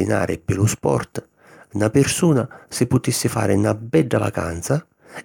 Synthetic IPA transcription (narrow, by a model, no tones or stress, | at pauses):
ina̰ːɾɪpɪluspɔ̰rt̪ | napɪrsuːnasɪpːʊt̪isːɪfa̰ːɾɪnabɛɖːava̰ka̰nt̪sa